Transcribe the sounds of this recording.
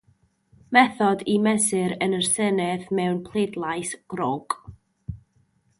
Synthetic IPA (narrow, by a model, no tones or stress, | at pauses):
mɛθɔdimɛsɪɾənərsɛnɛθmɛwnpʰlˠedlˠajsɡ̥rɔɡ̥